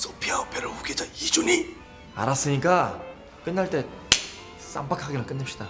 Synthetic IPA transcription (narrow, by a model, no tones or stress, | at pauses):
sʰopʰiaopʰeɾɯɸuɡed͡ʑaid͡ʑuni | a̰ɾas͈ɯɲik͈a | k͈ɯnːaɭt͈e̞ | s͈a̰mpakʰaɡenɯɭkɯnːapɕ͈id̥a